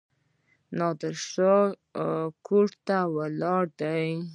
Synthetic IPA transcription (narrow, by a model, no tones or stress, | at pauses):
nɑd̪əɾʂə | koɽt̪awalɑɽd̪aj